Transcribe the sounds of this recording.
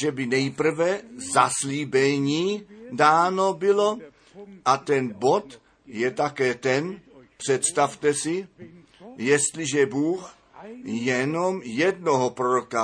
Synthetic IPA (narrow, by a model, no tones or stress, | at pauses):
ʒɛbɪnɛjpr̩vɛzasliːbɛɲiːdaːno̞bɪlo̞ | ʔat̪ɛnbo̞t̪ | jɛt̪akɛːt̪ɛnpr̝̥ɛt̪st̪aft̪ɛsɪ | jɛst̪lɪʒɛbuːx | jɛnomjɛdnoɦopɾoɾoka